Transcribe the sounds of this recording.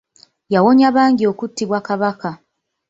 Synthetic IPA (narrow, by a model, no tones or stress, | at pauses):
jawo̞ɲaβaːŋɡio̞ːkutːiβwakaβaka